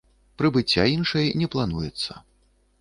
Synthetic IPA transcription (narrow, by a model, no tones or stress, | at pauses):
pɾɨbɨt͡sʲːainʂɐjnʲɛplˠanujɛt̪sːɐ̥